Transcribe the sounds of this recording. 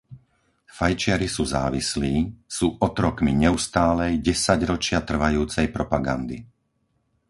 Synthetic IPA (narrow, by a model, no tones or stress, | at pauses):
fajt͡ʃɪaɾisuːza̰ːʋisliːsuːʔɔt̪ɾɔkmiɲɛust̪aːlɛjɟɛsaɟɾɔt͡ʃɪat̪r̩ʋajuːt͡sɛjpɾɔpaɡa̰nd̪ḭ